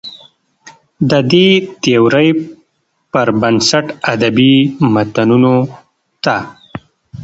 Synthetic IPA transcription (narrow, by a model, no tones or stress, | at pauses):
d̪əd̪et̪ewɾəj | pəɾbənsaʈad̪abimat̪anuno | t̪a